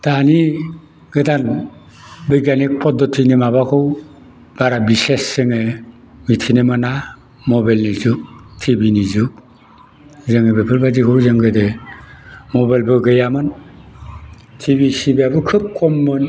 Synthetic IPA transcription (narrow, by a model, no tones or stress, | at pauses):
tani | ɡɯdan | bɯjɡanik̚pɔdɔtʰinemabakʰɯw | b̥aɾabisesːɯŋe | mitʰinemana | mɔbajlnizuk̚tʰibinizuk̚ | zɯŋɯbepʰɯɾbazikʰɯwzɯŋɡɯde | mɔbajlbɯɡɯjamɯn | tʰibisibiabukʰɯp̚kɔmːɯn